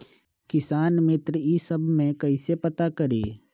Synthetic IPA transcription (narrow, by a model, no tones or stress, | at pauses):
kɪsaːnmɪt̪ɾisəbʱmẽkəisepət̪akəɾeː